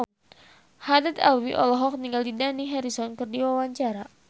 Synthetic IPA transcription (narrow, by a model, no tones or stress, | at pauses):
hadat̪a̰wiʔɔlɔɦɔk̚niŋɡaldidaniɦɛɾisɔnkɨrdiwawaɲt͡ʃaɾa